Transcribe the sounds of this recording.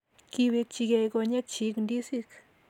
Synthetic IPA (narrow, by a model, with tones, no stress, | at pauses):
ki˧βi˧t͡ʃi˧ɡe˧jɡo˧ɲe˦kt͡ʃi˧˦knd̪i˦si˧k